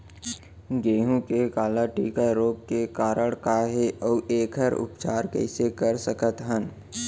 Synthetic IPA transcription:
ɡeːɦũkekaːlaʈḭːkaɾoːp̚kekaːɾəɽkaɦeʔɔːʔeːkʰɦəɾʊ̰pt͡ʃaːɾkɛ̰ɪsekəɾsəkət̪ɦən

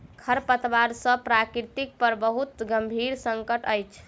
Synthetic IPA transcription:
kʰəɾpət̪ʋaɾsə̃pɾakɾit̪ik̚pəɾbəɦut̪ɡəmbʱiɾsəŋkəʈəjt͡ʃʰ

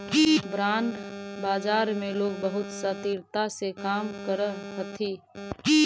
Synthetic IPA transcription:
bɾaːnbaːd͡ʒaːɾmẽloːɡbəɦʊt̪sət̪iɾt̪asekaːmkəɾəɦət̪ʰiː

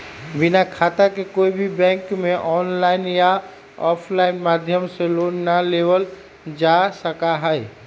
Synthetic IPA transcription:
bɪnakʰaːt̪akekoːibʱibɛ̃ːŋkmẽʔɔːnlaːɪnja | ɔːpʰlaːɪnmaːd̪ʱjəmseloːnnaleːʋəl | d͡ʒaːsəkaɦɛɛ

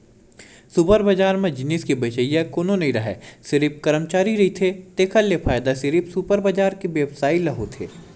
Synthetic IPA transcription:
supəɾbɐd͡ʒaːɾmẽd͡ʒɪnɪskibɐt͡ʃəijãkoːnonɐɦĩɾɐɦɛ̰ːsɪɾip̚kɐɾəmt͡ʃaːɾiɾɐɦit̪ʰet̪eːkʰəljepʰaːjd̪asɪɾipsupəɾbɐd͡ʒaːɾkibjeːʋsaːilɐɦot̪ʰeː

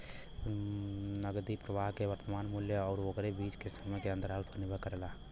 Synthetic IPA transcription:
nəɡd̪ipɾəbaɦkeʋəɾt̪əmanmuljəɔːɾokɾebit͡ʃkesəməkeənd̪əɾɦəlpʰənibʱəkəɾela

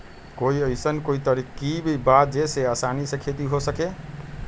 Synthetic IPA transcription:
koiəjsənkoit̪əɾikkibʱibat̪̚d͡ʒeseasanisẽkʰet̪iɦosəke

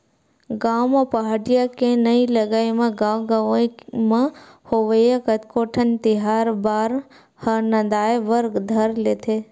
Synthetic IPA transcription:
ɡaːwmapɐɦaːɽijakenɐilɐɡaːjmẽɡaːwɡəʋmãhoʋəjakət̪koːʈʰənt̪ɪɦaːɾbaːɾ | hɐnɐ̃d̪aːeʋəɾɡd̪ʱɐɾleːt̪ʰeː

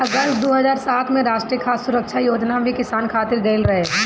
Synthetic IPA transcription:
ɐɡəsʈ̪d̪oːɦɐzaːɾsaːt̪ʰmẽɾaːʃʈɾijəkʰaːsːʊɾəkʃʰajoːd͡ʒnabʱikɪsaːnkʰaːt̪ɪɾɡeɪlɾɐɦeː

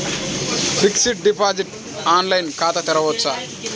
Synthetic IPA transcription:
bɾiksiʈ̚ɖipaːd͡ʒiʈ | aːnlɐjnkaːt̪ɐt̪ɛɾɐʋɔtːsa

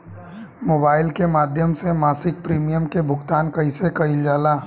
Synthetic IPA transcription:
moːbaːɪlkemaːd̪ʱjəmsemaːsɪk̚pɾiːmijəmkebʱʊkt̪aːnkɐĩsekɐɪld͡ʒaːlaː

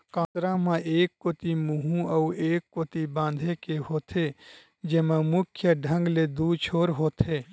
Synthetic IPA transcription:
kãːt̪ɾamãeːkːoːt̪imuɦũəueːkːoːt̪ibãːnd̪ʱekeɦoːt̪ʰe | d͡ʒeːmãmʊkʰjəɖʱə̃ŋɡled̪uːt͡ʃʰoːɾɦoːt̪ʰeː

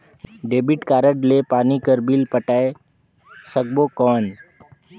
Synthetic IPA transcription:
ɖeːbɪʈkaːɾəʈlepaːnikəɾbilpəʈaːe | sək̚boːkɔːn

